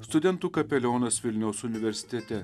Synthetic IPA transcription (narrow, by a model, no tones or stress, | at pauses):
st̪ʊd̪ʲɛnt̪uːkɐpʲɛlʲoːnɐsʋʲɪlʲnʲɛʊsʊnʲɪʋʲɛɾʲsʲɪ̥t̪ʲɛt̪ʲɛ